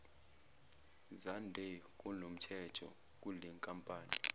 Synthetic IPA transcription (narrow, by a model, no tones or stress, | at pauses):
zandʱɛk̬ʼunom̩tʰɛtʰɔ̰ | k̬ʼulɛŋkʼampʼaːni